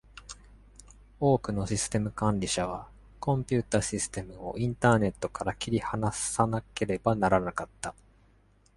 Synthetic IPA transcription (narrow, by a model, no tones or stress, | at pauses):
o̞ːkɯ̟no̞ɕisɨ̥t̪e̞mɯ̟kãnɾʲiɕaβa | kõ̞mpʲɨːt̪aːɕisɨ̥t̪e̞mɯ̟o̞̰ʔĩnt̪aːne̞t̪ːo̞kaɾakʲiɾʲihanaanake̞ɾe̞banaɾanakat̪ːa